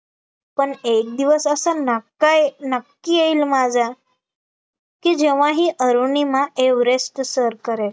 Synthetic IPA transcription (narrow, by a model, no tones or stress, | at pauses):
pəɳek̚d̪iʋəsəsankanəkːijeilmad͡zʱa | kiːd͡ʑeʋ̤aɦiːʔəɾunimaʔeʋɾest̪səɾkəɾel